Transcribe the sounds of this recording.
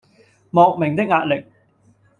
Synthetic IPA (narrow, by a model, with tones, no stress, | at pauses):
mɔː˨k̚mɪ˨˩ŋt̪ɪ˥k̚ŋaː˧t̚lɪ˨˩k̚